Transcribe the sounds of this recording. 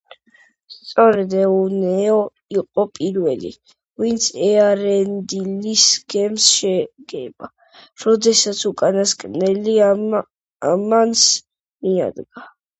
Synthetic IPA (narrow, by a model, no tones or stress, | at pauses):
st̪sʼɔɾɛd̪ɛunɛɔ | iqʼɔpʼiɾvɛlḭ | vint̪sʰɛaɾɛnd̪ilisɡ̥ɛmsʃɛɡ̥ɛba | ɾɔd̪ɛsat̪sʰukʼanaskʼnɛli | amans | mia̰d̪ɡa